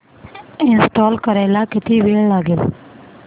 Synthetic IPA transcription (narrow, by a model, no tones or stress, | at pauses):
ɪ̃nsʈoːlkəɾeːlakɪt̪iːʋeːɭlaːɡeːl̰